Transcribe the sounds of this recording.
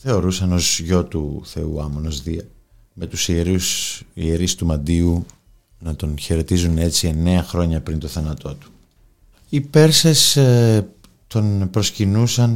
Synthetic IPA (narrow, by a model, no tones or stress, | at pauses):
θe̞o̞ɾusɐno̞zʝo̞t̪uθe̞uɐmono̞zðiɐ | me̞t̪usieɾusḭeɾist̪umɐnd̪iu | nɐt̪o̞nçe̞ɾe̞t̪izune̞t͡sie̞ne̞ɐxɾo̞ɲɐpɾint̪o̞θɐnɐt̪o̞t̪u̥ | ipe̞ɾses | t̪o̞npɾo̞scinusɐn